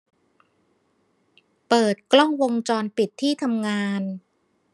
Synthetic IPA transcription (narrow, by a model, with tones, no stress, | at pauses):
pɤː˨˩t̪̚klɔ˥˩ŋwo˧ŋt͡ɕɔː˧npi˨˩t̪ʰːiː˥˩t̪ʰa˧mŋaː˧n